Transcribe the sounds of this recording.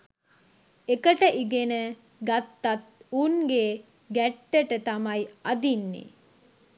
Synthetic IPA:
ekəʈəʔiɡenə | ɡat̪ːat̪̚uŋɡe | ɡæʈːəʈət̪amɐjɐd̪inːḭ

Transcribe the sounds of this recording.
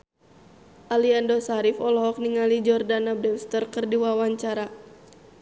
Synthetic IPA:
ʔaliandɔsaɾifɔlɔɦɔk̚niŋalid͡ʒɔrdanab̚dɛlst̪ərkɨrdiwawaɲt͡ʃaɾa

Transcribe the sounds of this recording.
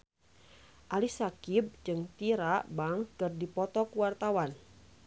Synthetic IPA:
ʔalisakib̚d͡ʒɨŋt̪iɾaʔbaŋkɨrdipɔt̪ɔkwart̪awan

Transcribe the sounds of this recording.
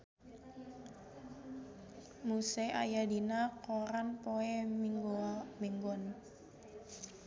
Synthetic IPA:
museʔa̰jadinakoɾanpoɛmiŋɡmiŋɡɔn

